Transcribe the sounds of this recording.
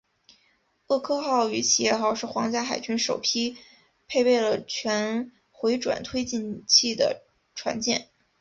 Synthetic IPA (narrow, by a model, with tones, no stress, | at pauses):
ɤ˥˩kʰɤ˥xɑ˥˩ʊy˧˥t͡ɕʰi˨˩jɛ˥˩xɑ˨˩ʊʂɻ̩˥˩xwɑ˧˥ŋt͡ɕja˥˩xa˨˩ɪt͡ɕʰy˧˥nʂo˨˩ʊpʰi˥ | pʰe˥˧ɪpe˥˩ɪlə˩t͡ɕʰɥɛ˧˥n | xwe˧˥ɪʈ͡ʂwa̰˨˩nt̪ʰwe˥ɪt͡ɕi˥˧nt͡ɕʰi˥˩d̪ə̰˩ | ʈ͡ʂʰwa̰˧˥nt͡ɕjɛ˥˩n